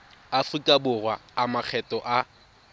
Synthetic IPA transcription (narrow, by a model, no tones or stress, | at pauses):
afrikʼabʊrwa̰ːmak͡xʰɛtʼɔʔa